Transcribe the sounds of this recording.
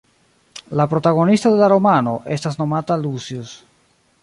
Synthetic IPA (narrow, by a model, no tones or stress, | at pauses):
lapɾo̞taɡo̞nistode̞laɾo̞mano̞ʔe̞stasno̞matalusjus